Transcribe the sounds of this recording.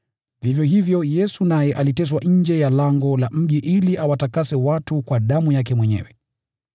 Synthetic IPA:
vivjɔɦivjɔjɛsunajɛʔalitɛs̬waʔɲ̩d͡ʒɛjalaŋɡɔlam̩ʄiʔiliʔawatakasɛwatukwaɗamujak̬ɛmwɛɲɛ̰wɛ

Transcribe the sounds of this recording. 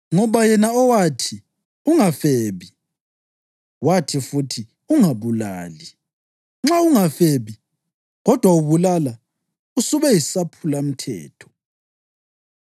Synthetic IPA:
ŋɔβajɛnaɔwatʰi | uŋafeːβi | watʰifutʰi | uŋaβula̰ːli | ŋ͡ǁauŋafeβi | ɣɔd̥ʱwauβulala | usuβɛjisapʰulam̩tʰɛ̰ːtʰɔ̥

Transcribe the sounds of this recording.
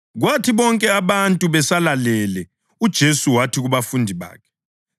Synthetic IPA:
ɣwatʰiβɔŋkʼɛaβantʼuβɛsalalɛlɛ | ud̥ʒ̥ʱesuwatʰiɣuβafundʱiβa̰ːkʰɛ̥

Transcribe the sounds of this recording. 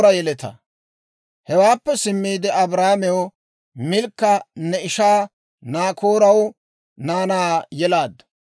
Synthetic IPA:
ɾɐjɛlɛt̪ɐ̰ | hɛwaːpːɛsɪmːiːd̪ɛɐbɾaːmɛwɔ | mɪlkːɐnːɛɪʃaː | naːkoːɾɐw | naːnaːjɛlaːd̪ɐ

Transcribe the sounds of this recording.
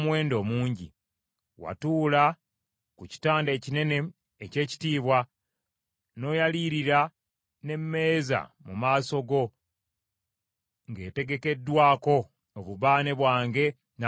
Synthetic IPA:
mwe̞ːndo̞ːmuːɲɟḭ | wa̰tuːla | kuci̥taːnde̞ːcine̞ne̞ː | ce̞ːci̥tiːβwa | no̞ːjaliːɾiɾa | ne̞mːe̞ːza̰mumaːso̞ɡo̞ | ŋɡe̞̰ːte̞ɡe̞ke̞dːwaːko̞ː | βuβaːne̞βwaːŋɡe̞ | na

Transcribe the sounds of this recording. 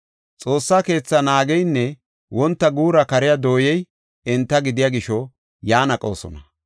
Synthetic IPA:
t͡sʼo̞ːsːaːke̞ːt͡sːɐnaːɡɛjnːɛ | wɔnt̪ːɐɡuːɾɐkɐɾɪjad̪o̞ːjɛj | ɪnt̪ːɐɡɪd̪ɪjaɡɪʃɔ | jaːnɐkʼo̞̰ːsɔ̰nɐ

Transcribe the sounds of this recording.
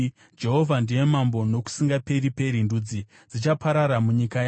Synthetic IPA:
d͡ʒe̞ɦo̞vʱandije̞mambo̞no̞ku̥siŋɡape̞ɾipe̞ɾinduːd͡zi | d͡zit͡ʃapaɾaɾamuɲikaja

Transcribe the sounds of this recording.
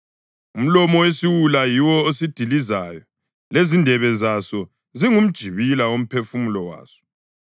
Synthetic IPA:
um̩lɔmɔwesiwulajiwɔosid̥ʱilizaːjɔ | lezindʱɛβɛzasɔ | ziŋum̩d̥ʒ̥ʱiβilaom̩pʰefumulɔwa̰ːsɔ̥

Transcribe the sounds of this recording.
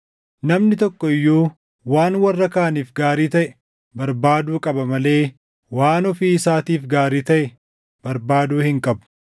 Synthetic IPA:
nɐmnɪt̪ɔkːɔɪjːuː | waːnwɐrːɐkaːɐniːfɡaːɾiːt̪ɐʔɛ | bɐɾbaːd̪uːkʼɐbɐmɐle̞ː | waːnɔfiɪsaːt̪iːfɡaːɾiːt̪ɐʔɛ | b̥ɐɾbaːd̪uːhɪŋkʼɐbʊ̥

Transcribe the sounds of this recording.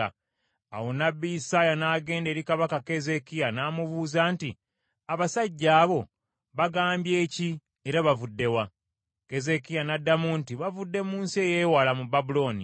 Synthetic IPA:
a | awo̞nabːiisaːjanaːɡe̞ːnde̞ːɾikaβakake̞ze̞kijanaːmuβuːzaːnti | aβasaɟːaːβo̞ | βaɡaːmbje̞ːci | e̞ɾaβavudːe̞wa | ke̞ze̞kijanadːamuntiβavudːe̞muːnsie̞ːjeːwaːlamubːabulo̞ːnḭ

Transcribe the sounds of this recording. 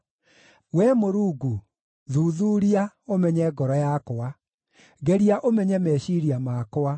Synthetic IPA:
wɛmoɾuːɡu | ðuːðuːɾia | omɛɲɛɡɔɾɔjakoa | ɡɛɾiaʔomɛɲɛmɛɕiɾiamakoa

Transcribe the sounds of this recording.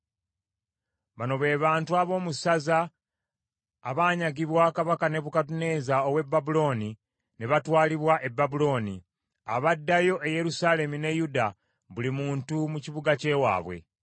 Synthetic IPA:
βano̞βe̞ːβaːntuaβo̞ːmusaza | βaːɲaɡiβwakaβakane̞βukatune̞ːzao̞βwe̞bːabulo̞ːni | ne̞βatwaːliβwaʔe̞bːabulo̞ːni | a̰βadːajo̞ʔeje̞ɾusaːle̞mune̞juda | βulimuːntumuciβuɡace̞wa̰ːβwe̞̰

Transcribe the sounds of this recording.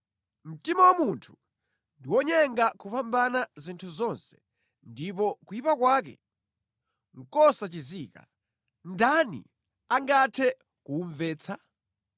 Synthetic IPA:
m̩timawamuntʰu̥ | ndiwɔɲɛŋɡakupambanazintʰuzɔnsɛ̥ | ndip̬ɔkujipakwaːkɛ̰ | ŋ̩kɔsat͡ʃiziːka̰ | ndanḭ | aŋɡatʰɛ | kuɱvɛːt͡sʰa

